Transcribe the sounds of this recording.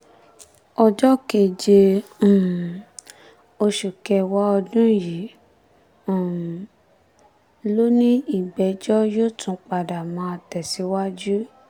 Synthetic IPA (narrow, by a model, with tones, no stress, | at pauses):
ɔ˧d͡ʒɔ˦ke˨d͡ʒe˧ũ˨ | o˧ʃu˨kɛ˧wa˦ɔ˧dũ˦ji˨˦˨ | lo˦nĩ˦i˦˨bɛ˨˧d͡ʒɔ˦jo˦˨tʰũ˨˧˦k͡pa˨da˨mã˨˦a˧tɛ˨si˨˦wa˦d͡ʒu˦